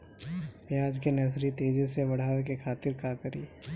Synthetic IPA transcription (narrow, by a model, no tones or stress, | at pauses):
ʋjaːd͡ʒkenɐɾs̬ɾit̪eːd͡ʒisebɐɽ̤aːʋekekʰaːt̪ɪɾkaːkəɾḭː